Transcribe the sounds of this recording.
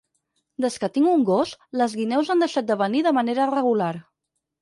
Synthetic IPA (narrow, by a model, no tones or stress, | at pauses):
d̪əskət̪iŋɡuŋɡosləzɣinɛwzand̪əʃat̪̚d̪əβəniðəməneɾərəɣulaɾ